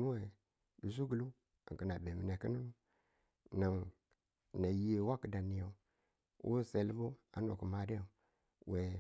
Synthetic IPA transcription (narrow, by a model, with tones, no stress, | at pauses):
nu˦we˨ | du˨s̬u˦ɡu˨lu˦ | a̰˨ə˨na˨be˨mi˨ne˨ki˦nu˦nu˦ | na˨ŋ˨ | na˨ji˦je˨wa˦kə˨da˨ni˨ja˨ | wʔo̰˦se˨lbu˦a̰˨˦no̰˨ku˨ma˨de˦a˨ | we˨